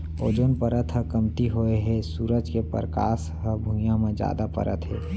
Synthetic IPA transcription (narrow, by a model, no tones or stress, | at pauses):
oːd͡ʒonpəɾət̪ɦəkəmt̪iɦoeɦɛsuːɾəd͡ʒkepə̰ɾka̰ːs | ɦəbʱujãmẽd͡ʒja̰ːd̪apə̰ɾʔə̰t̪ɦḛː